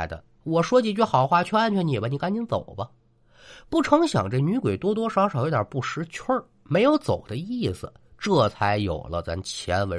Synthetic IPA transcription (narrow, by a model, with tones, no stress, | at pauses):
d̪ə̰˧ | wɔ˨˩ʂwɔ˥t͡ɕi˧˩t͡ɕɥɛ˥˩xɑ˨˩ʊxwa˥˩t͡ɕʰɥɛ˥a˥˧nt͡ɕʰɥɛ˥˩ni˨˩bɐ˧˩ni˨˩ka˥nt͡ɕi˥nt͡so˨˩ʊbɐ˦ | pu˥˩ʈ͡ʂʰɤ˧˥ŋɕjɑ̰˨˩ŋʈ͡ʂə˥˩ny˧˥kwe˨˩ɪt̪wɔ˥t̪̬wɔ˥ʂʊʂt̪jʲa˨˩pu˥˩ʂɻ̩˧˥t͡ɕʰə˥˧˩ | me˧˥ɪjo˧˥ʊt͡so˨˩ʊd̪ə˦i˥˩sɹ̩˨˩ʈ͡ʂɤ˥˩t͡sʰa˧˥ɪjo̰˨˩ʊlə˦t͡sa̰˥˩nt͡ɕʰjɛ˧˥nwe˧˥